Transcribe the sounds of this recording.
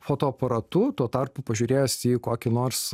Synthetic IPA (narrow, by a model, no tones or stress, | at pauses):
foːt̪oːɐpɐɾɐt̪uːt̪uɔt̪ɐrpʊpɐʒʲuːɾʲeːjosiːkoːkʲɪnoːɾs